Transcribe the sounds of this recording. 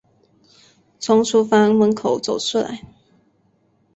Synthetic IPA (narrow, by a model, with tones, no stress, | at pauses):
t͡sʰʊ˧˥ŋsʰu˥fa˥nmə˧˥nkʰo˨˩ʊt͡so˨˩ʊʂʰu˥˩la̰˨˧˦ɪ